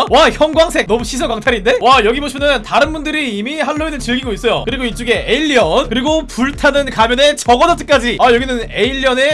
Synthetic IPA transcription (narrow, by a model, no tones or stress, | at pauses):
waçjʌŋɡwaŋsʰe̞k̚nʌmuɕʰisʰʌkaŋtʰaɾinde̞wajʌɡiboɕʰimʌntaɾɯnbundɯɾiːmihaɭːoinɯɭt͡ɕiɭɡiɡois͈ʌjo̰kɯɾiɡoit͡ɕ͈uɡe̞eiʎːiʌnkɯɾiɡopuɭtʰanɯnkamjʌne̞t͡ɕʌɡʌnʌt͈ʰɯ̥k͈ad͡ʑiajʌɡinɯne̞iʎːiʌne̞